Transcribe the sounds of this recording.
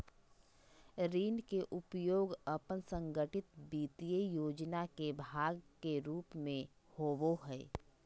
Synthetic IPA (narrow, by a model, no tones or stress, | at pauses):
ɾiːnkeʔʊpjoːɡəpənsə̃ŋɡəʈɪt̪biːt̪ijəjoːd͡ʒnakebʱaːɡkeɾuːpmẽ | hoːʋoɦɛː